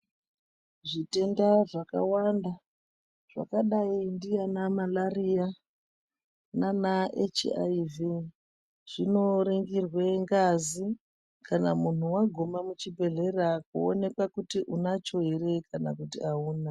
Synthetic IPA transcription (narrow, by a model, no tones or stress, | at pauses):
ʐite̞ndaʐaka̰wanda | ʐ̥a̰kaɗaindijanamalarija | nanaḛt͡ʃa̰ivi | ʐ̥ino̞ɾiŋɡirwe̞ŋɡazi | kana̰mun̤uwaɡʱo̞mamut͡ʃibʱe̞ɮe̞rakuone̞kwakutiʔunat͡ʃo̞ɦere̞kana̰kutiauːna